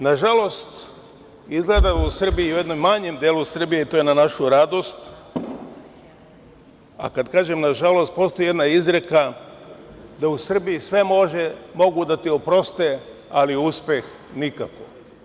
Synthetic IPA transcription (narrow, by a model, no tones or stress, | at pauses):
naʒalo̞st̪ | izɡled̪ausr̩biiujed̪nojmːaɲemd̪jeːlusr̩bijeit̪o̞jenanaʃuɾad̪o̞st̪ | a̰kad̪kaːʒe̞mnaʒalo̞st̪̚po̞ːst̪o̞jed̪naizɾe̞ka | d̪ausr̩bijisʋe̞mo̞ʒemo̞ɡud̪at̪iopɾo̞st̪ealiuspe̞x | nika̰ko̞